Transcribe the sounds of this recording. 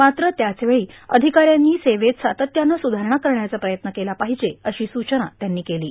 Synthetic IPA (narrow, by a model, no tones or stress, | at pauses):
mat̪ɾət̪jat͡sʋeɭiːə̰d̪ʱikaɾjanːiːseʋet̪sat̪ət̪janːəsud̪ʱaɾəɳakəɾɳjat͡səpɾəjət̪nəkelapaɦid͡ʑeəɕiːsut͡ɕəna̰t̪janːiːkeliː